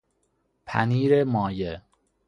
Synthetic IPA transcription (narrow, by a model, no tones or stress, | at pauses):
pʰæ̰niːɾemɒːje